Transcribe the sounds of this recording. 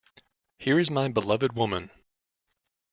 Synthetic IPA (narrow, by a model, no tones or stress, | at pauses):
hiɹɨzmaɪbəlʌvɨd̚wʊmə̃n